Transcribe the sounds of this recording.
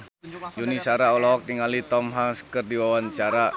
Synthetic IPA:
junisaɾaɔlɔɔk̚t̪iŋalit̪ɔmɦaŋskərdiwawant͡ʃaɾa

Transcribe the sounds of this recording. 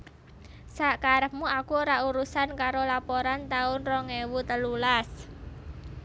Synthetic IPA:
saʔkaɾəp̚muakuɾauɾusankaɾolapɔɾant̪aʊnrɔŋewut̪əlulas

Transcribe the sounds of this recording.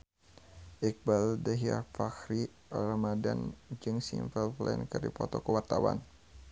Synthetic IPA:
ʔik̚baldaɦiafakɾi | ramadand͡ʒɨŋsinfɛlflɛ̰nkɨrdipɔt̪ɔkəwart̪awa̰n

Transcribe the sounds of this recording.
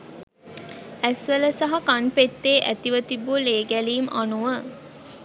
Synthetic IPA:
æsʋələsaɦɐkanpet̪ːeːʔæt̪iʋət̪ibuleːɡæliːmʔanuʋə

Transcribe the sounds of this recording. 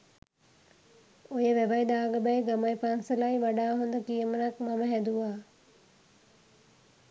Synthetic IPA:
ojəʋæʋajd̪aːɡəbajɡamajpaːŋsəlajʋaɖaːɦond̪əkijəmənakmaməɦɛd̪uʋaː

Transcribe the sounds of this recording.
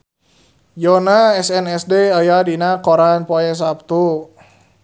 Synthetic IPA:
jɔnaɛsɛnɛsdeajadinakoɾanpoɛs̬ap̚t̪u

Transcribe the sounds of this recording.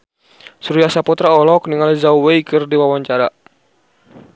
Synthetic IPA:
suɾijasaput̪ɾaɔlɔk̚niŋalizawwejkɨrdiwawaɲt͡ʃaɾa

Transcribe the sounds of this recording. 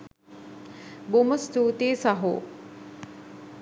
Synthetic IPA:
boməst̪uːt̪eːsaɦo̰ː

